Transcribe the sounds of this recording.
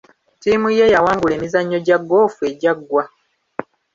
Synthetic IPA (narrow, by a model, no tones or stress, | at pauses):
tiːmuje̞jawaːŋɡule̞ːmizaɲːo̞ɟaɡːo̞ːfue̞ɟaɡːwa